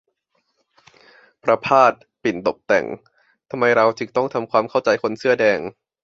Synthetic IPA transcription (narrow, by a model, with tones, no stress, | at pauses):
pʰɾa˧pʰaː˥˩t̪̚ | pi˨˩nt̪o˨˩p̚t̪ɛ̰˨˩ŋ | t̪ʰa˧mːa˧jɾa˧wt͡ɕʰɯ˨˩t̪ɔ˥˩ŋt̪ʰa˧mkʰwaː˧mkʰa˥˩wt͡ɕa˧jkʰo˧nsɯ˥˩ɐdɛː˧ŋ